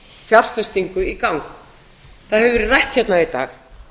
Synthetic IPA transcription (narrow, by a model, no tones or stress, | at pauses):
fjar̥fɛst̪iŋkʏikawŋk | θaðhɛvvɾɪrajht̪çɛt̪nait̪a̰ːx